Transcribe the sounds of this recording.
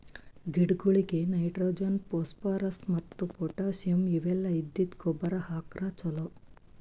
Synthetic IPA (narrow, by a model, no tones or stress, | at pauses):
ɡiɖɡuɭiɡe̞nɐjʈɾoːd͡ʒɐnpoːspaːɾɐsmɐt̪ːupoʈaːsjɐmiʋɛlːɐid̪ːid̪ɡobɐɾɐhaːkɾaːt͡ʃɐlo